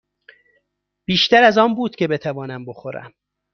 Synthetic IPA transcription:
b̥iːʃt̪æɾæzɒːmbuːd̪̥cʰʲe̞be̞t̪ʰævɒːnæmbo̞xoɾæ̰m

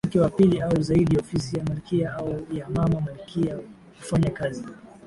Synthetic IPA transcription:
kɛwapiliauzaiɗijaɔfisijamalkiaaujamamamalkʰia | hufaɲakazi

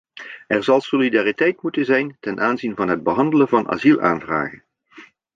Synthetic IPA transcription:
ʔɛɹzɑlˠsolidaːritɛjtmutənzɛjntɛnʔaːnzinvɑnɦəd̚bəɦɑndələnvɑnʔa̰ːzilˠa̰ːnvra̰ːχən

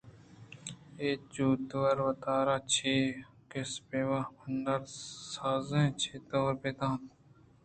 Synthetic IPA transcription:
eːt͡ʃuːt̪wɐɾʋɐt̪aːɾaːt͡ʃʰeː | kespeːwapɐnd̪ɐɾsaːzẽt͡ʃʰeːt̪oːɾpeːt̪ãːt̪

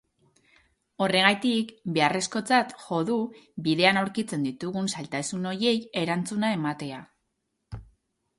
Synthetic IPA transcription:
o̞re̞ɣajt̪ikbe̞are̞sko̞t͡sat̪xo̞ðubiðe̞anawɾkit͡se̞nd̪it̪uɣunsalt̪asuno̞je̞je̞ɾant͡sunae̞mat̪e̞a

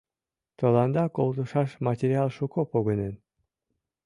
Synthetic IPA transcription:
t̪olɑnd̪ɑkolˠd̪uʃɑʃmɑtʲeɾʲiɑlˠʃukopoɣənen

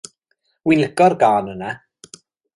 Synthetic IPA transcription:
wɪləɡɔrɡaːnəna

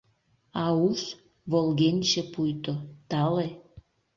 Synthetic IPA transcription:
ɑus | βolɣenʲt͡ɕĕpujt̪ot̪ɑle

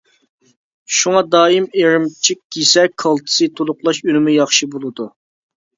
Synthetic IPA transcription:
ʃuŋɑd̪ɑːjimeɾɪmt͡ʃʰikʲːisɛkʰɑlˠt̪ʰɨ̥sɨt̪ʰolˠʊqlˠɑʃynɪmujɑχʃibolˠɨd̪u

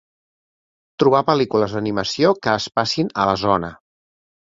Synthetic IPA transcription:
t̪ɾuβ̞apəlikuləzd̪əniməsiokəːspasinələzɔnə

